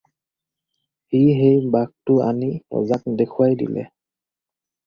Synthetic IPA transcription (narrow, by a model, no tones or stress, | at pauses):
hiɦejbak̚tʊa̰niɔ̰zak̚dekʰʊwajdḭlɛ̰